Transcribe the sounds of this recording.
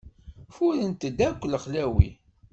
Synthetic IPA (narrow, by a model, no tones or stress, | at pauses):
fʊɾənt̪əd̪ækʷːələχlæwḭ